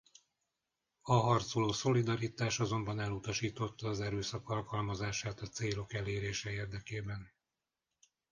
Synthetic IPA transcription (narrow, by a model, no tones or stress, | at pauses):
ɒɦɒrt̪soloːso̞lid̪ɒɾit̪aːʃɒzo̞mbɒnɛlːut̪ɒʃiːt̪o̞t̪ːɒːzɛɾøːsɒkɒlkɒlmɒzaːʃaːt̪ɒt̪seːlo̞kɛleːɾeːʃɛeːrd̪ɛkeːbɛn